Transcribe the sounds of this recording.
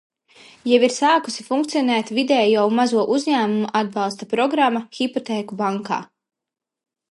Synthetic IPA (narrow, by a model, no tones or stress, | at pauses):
jɛviɾsaːku̥sifuŋkt̪siɔnɛːt̪vid̪ɛːjawmazuɔʔuzɲæːmumuʔad̪̚bɑlˠst̪apɾɔɡɾamːaxipɔt̪ɛːkubaŋka̰ː